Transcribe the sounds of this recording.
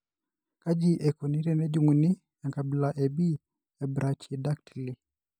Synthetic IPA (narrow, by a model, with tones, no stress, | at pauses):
ka˦d͡ʒi˦ʔɛ˨ku˨ni˦ɾɛ˨nɛ˦d͡ʒu˨ŋu˨ni˦ | ja˨ŋka˨bi˨laʔɛ˨bi˦ | ɛbɾʔat͡ʃi˨da˦k̚tʰi˨li˨